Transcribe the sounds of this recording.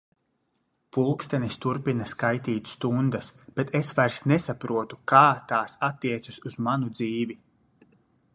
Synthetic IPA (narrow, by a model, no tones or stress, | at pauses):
pulˠkst̪ɛnist̪uɾpinaskajt̪iːt̪ʲst̪und̪asb̥et̪esvajɾsnesapɾuɔt̪ukaːt̪aːsat̪ːiɛt̪sasuz̥manud̪ziːvi